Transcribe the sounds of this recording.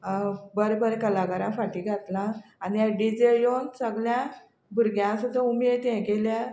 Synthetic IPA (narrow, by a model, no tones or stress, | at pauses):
bəɾbəɾekəlaɡaɾãfaʈiɡʱat̪lãːnijaɖid͡ʑejonsəɡljã | bʱuɾɡjãsud̪ʱəumet̪ɛ̃kelja